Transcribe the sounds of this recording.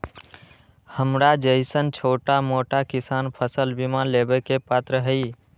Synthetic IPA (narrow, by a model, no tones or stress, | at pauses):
həmɾad͡ʒəɪsənt͡ʃʰoʈamoʈakisanpʰəsəlbimalebəkepat̪ɾəɦəi